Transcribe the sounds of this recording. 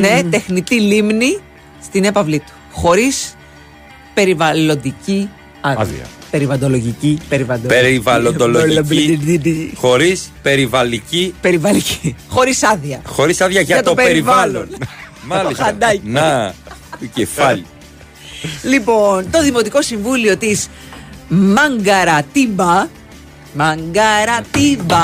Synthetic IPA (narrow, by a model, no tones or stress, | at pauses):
net̪e̞xnit̪ilimni | st̪ine̞pɐvlit̪u̥ | xo̞ɾis | pe̞ɾivɐlo̞nd̪ici | ɐiɐ̰ | pe̞ɾivɐnd̪o̞loʝicipeɾivɐd̪eɾivɐlond̪oloi | xo̞ɾispe̞ɾivɐlicipeɾivɐlicixo̞ɾisɐðiɐxo̞ɾisɐðjɐʝɐɐt̪opeeɾivɐlonmɐloisxɐɐd̪ɐnɐ | cefɐʎi | lipo̞nt̪o̞ðimo̞t̪iko̞siɱvulio̞t̪is | mɐŋɡɐɾɐt̪ibɐ | mɐŋɡɐɾɐt̪ibɐ